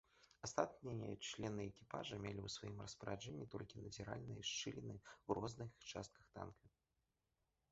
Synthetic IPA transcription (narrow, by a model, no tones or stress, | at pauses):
ast̪at̪nʲijɐt͡ʂlʲɛnɨɛkʲipaʐɐmʲɛlʲiwsvajimrɐspɾaʐɛnʲːit̪ɔ̰lʲkʲinɐd͡zʲɛɾa̰lʲnɨjɐʂt͡ʂɨlʲɛnɨwrʔɔznɨxt͡ʂa̰st̪̚kɐxt̪a̰nkʲi